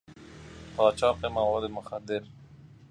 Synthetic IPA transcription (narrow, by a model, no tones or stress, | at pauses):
pɑːt͡ʃɑːqemawɑd̪emʊxad̪ɪɾ